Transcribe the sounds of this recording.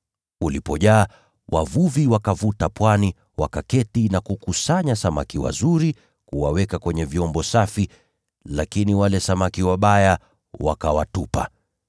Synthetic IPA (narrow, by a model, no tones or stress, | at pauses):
ulipɔʄaː | wʔavuviwakavutapwani | wakakɛtinakukusaɲasamakiwa̰zuɾi | kuwawɛkakwɛɲɛviɔmbɔsafi | lakiniwalɛsamakiwaɓaja | wakawatupa̰